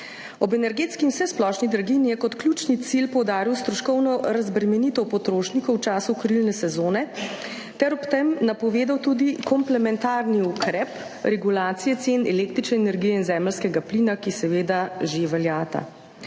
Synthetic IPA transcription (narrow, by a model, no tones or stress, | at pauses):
ɔbɛnɛɾɡeːt̪skinwsɛsplɔʃnid̪ɾaɡinijɛkɔt̪klʲjuːt͡ʃnit̪silpɔwd̪aːɾiwst̪ɾɔʃkɔwnɔɾazbɾɛmɛnit̪ɔwpɔt̪ɾoːʃnikɔwt͡ʃaːsukɾilnɛsɛzoːnɛ | t̪ɛɾɔpt̪ɛmnapɔʋeːd̪awt̪uːd̪ikɔmplɛmɛnt̪aːɾniukɾɛp | ɾɛɡulaːt̪sijɛt̪seːnɛleːkt̪ɾit͡ʃnɛɛnɛɾɡijɛinzɛːməlskɛɡapliːnakisɛʋeːd̪aʒeʋɛljaːt̪a̰